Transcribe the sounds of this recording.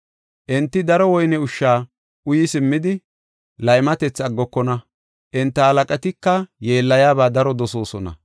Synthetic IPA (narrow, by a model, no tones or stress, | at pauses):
ʔɛnt̪ːɪd̪ɐɾɔwɔjnɛʊʃːaː | ʔʊjɪsɪmːɪd̪ɪ | lɐjmɐt̪ɛt͡sːɐɡːɔkːɔnɐ | ʔɛnt̪ːɐhɐlɐkʼɐt̪ɪkːɐje̞ːlːɐjaːbaːd̪ɐɾɔd̪ɔso̞ːsɔnɐ̰